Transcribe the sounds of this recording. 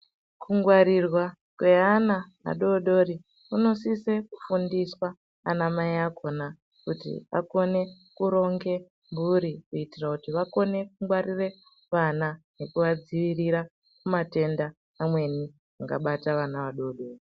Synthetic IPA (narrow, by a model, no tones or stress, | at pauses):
kʰuŋɡwaɾirwa | kwe̞anaʋa̰ɗo̞ɗo̞ri | uno̞sise̞ku̥fundiswaː | namaiakʰo̞na | kutḭa̰ko̞ne̞ | kuɾo̞ŋɡe̞ | mbuɾikuitirakutiʋako̞ne̞k̚uŋɡwarire̞ | ʋanane̞kuʋad͡ziʋiriɾa | kumate̞ndaː | mwe̞ni | aŋɡa̰ɓataʋanaʋaɗo̞ːɗo̞ːri